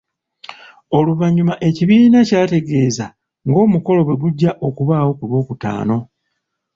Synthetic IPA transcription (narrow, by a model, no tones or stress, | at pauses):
o̞luβaɲumaʔe̞ciβiːnacaːte̞ɡe̞ːza | ŋɡo̞ːmuko̞lo̞βwe̞ɡuɟːaʔo̞kuβaːwo̞kuβo̞ːkuta̰ːno̞